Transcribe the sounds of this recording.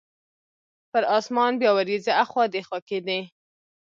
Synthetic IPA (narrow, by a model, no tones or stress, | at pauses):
pəɾɑsmɑnbjɑwaɾizaaxwɑd̪exɑked̪e